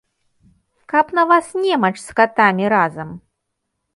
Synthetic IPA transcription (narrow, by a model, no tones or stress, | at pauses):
kɐpnɐvasnʲɛmɐt͡ʂskat̪amʲiɾazɐm